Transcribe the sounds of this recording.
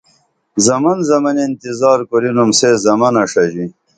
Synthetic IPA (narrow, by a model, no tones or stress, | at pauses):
zɐmɐnzɐmɐnent̪izaːɾkuɾinumseːzɐmɐnɐʂɐʑi